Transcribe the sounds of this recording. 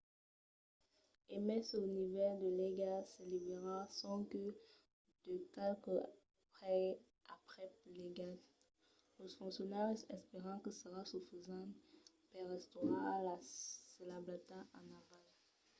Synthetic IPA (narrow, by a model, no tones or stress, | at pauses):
emɛsonivɛʁd̪əleɡasəlibʁeʁasɔ̃kə | d̪̥əkɛlkə | pχɛ | apχɛpleɡat | ləfɔ̃ksjɔnɛʁsɛspeʁɑ̃kəsəʁasufizɑ̃ | pɛʁɛst̪oʁãalasəlablat̪ãʔanaval